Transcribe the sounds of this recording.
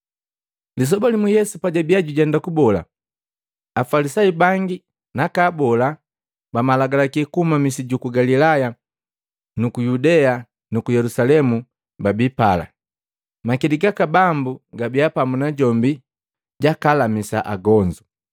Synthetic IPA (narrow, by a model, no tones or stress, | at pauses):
lis̬ɔbɔlimujɛsupaɟabiaɟuɟɛndakubɔla̰ | afalisaibaŋɡi | nakaːbɔla | bamalaɡalakikuhumamisiɟukuɡalilaja | nukujudɛa | nukujɛlusalɛmu | babipala̰ | makiliɡakabambuɡabiapamunaɟɔmbi | ɟakalamisa̰ʔa̰ɡɔɲd͡ʒu